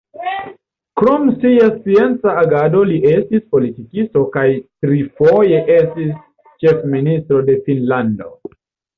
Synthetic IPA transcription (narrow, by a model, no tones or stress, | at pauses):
kɾomsiast͡sie̞nt͡saːɡado̞liʔe̞stispo̞litikisto̞kajtɾifo̞je̞ʔe̞stis | t͡ʃe̞fministɾo̞de̞finlando̞̰